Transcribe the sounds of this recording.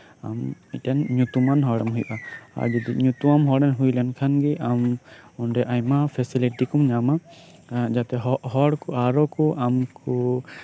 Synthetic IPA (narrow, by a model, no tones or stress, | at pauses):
a̰miʈɛnɲut̪umanɦɔɽɛmɦujʔaa̰ɾd͡ʒɔd̪iɲut̪umamɦɔɽɛnɦujlɛnkʰanɡɛʔamɔnɖɛʔajmapʰɛsiliʈikumɲama | d͡ʒat̪ɛɦɔɦɔɽkɔaɾɔkɔʔamku